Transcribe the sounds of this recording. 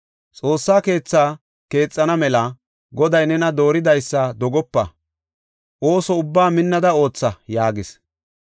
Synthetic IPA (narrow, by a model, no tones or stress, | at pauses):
t͡sʼo̞ːsːaːke̞ːt͡sːaː | ke̞ːt͡sʼːɐnɐmɛlɐ | ɡɔd̪ɐjnɛnɐd̪o̞ːɾɪd̪ɐjsːɐd̪ɔɡɔpːɐ | ʔo̞ːsɔʊbːaːmɪnːɐd̪ɐo̞ːt͡sːɐjaːɡɪs